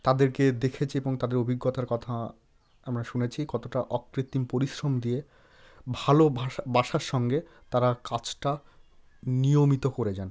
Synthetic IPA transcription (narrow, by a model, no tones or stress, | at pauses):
t̪ad̪eɾked̪ekʰet͡ɕʰieboŋt̪ad̪eɾobʱiɡːot̪aɾkɔt̪ʰa | amɾaʃunet͡ɕʰikɔt̪oʈaʔɔkɾit̪ːimpoɾiʃɾomd̪ije | bʱalobaʃaɾʃɔŋɡe | t̪aɾakat͡ɕʰʈa | nijomit̪okoɾed͡ʑan